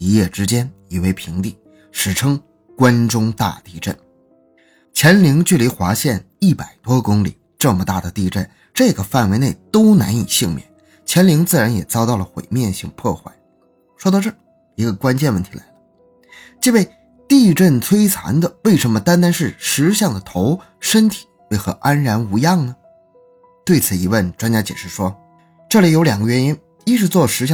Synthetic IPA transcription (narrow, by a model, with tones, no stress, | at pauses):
i˧˥jɛ˥˩ʈ͡ʂɻ̩˥t͡ɕjɛ˥ni˨˩we˥˩ɪpʰi˧˥ŋt̪i˥˩ | ʂɻ̩˨˩ʈ͡ʂʰɤ˥ŋ | kwa˥nʈ͡ʂʊ˥ŋt̪a̰˥˧t̪i˥˧ʈ͡ʂə̰˥˩n | t͡ɕʰjɛ˧˥nli˧˥ŋt͡ɕy˥˩li˧˥xwa˧˥ɕjɛ˥˧n | i˥˩pa˨˩ɪt̪wɔ˥kʊ˥ŋli˨˩ | ʈ͡ʂɤ˥˩mə˩t̪a˥˩d̪ə˩t̪i˥˧ʈ͡ʂə̰˥˩n | ʈ͡ʂɤ˥˩ɡə˩fa˥˩nwe˧˥ɪne˥˩ɪt̪o˥ʊna̰˧˥ni˨˩ɕi˥˧ŋmjɛ̰˥˩n | t͡ɕʰɛ˧˥nli˧˥ŋt͡sɹ̩˥˩ɻa˧˥njɛ˨˩t͡sɑ˥ʊt̪ɑ˥˩ʊlə˩xwḛ˨˩ɪmjɛ˥˧nɕi˥˧ŋpʰɔ˥˧xwa̰˥˩ɪ | ʂwɔ˥d̪ɑ˥˧ʊʈ͡ʂɤ˥˩ | i˧˥ɡə˧kwa˥nt͡ɕɛ˥˧nwə˥˩nt̪ʰi˧la̰˧˥ɪ̥ə˧ | t͡ɕi˥˧we˥˧ɪ | t̪i˥˧ʈ͡ʂə˥˩nt͡sʰwe˥ɪt͡sʰa̰˧˥nd̪ə˧˨we˥˩ɪʂə˧˥nmə˧t̪a˥nt̪a˥nʂɻ̩˥˩ʂɻ̩˧˥ɕjɑ˥˩ŋd̪ə˩t̪ʰo˧˥ʊ | ʂə˥nt̪ʰi̥˨˩˦we˥˩ɪxɤ̰˧˥ʔa˥nɻa˧˥nu˧˥jɑ˥˩ŋnə˩ | t̪we˥˩ɪt͡sʰɹ̩˨˩i˧˥wə˥˩nʈ͡ʂwa˥nt͡ɕja˥t͡ɕjɛ̰˨˩ʂɻ̩˥˩ʂwɔ˥ | ʈ͡ʂɤ˥˩li˨˩jo˧˥ʊljɑ˨˩ŋɡə˦ɥɛ˧˥ni˥n | i˥ʈ͡ʂɻ̩˧t͡swɔ˥˩ʂɻ̩˧˥ɕ̬jɑ˥˧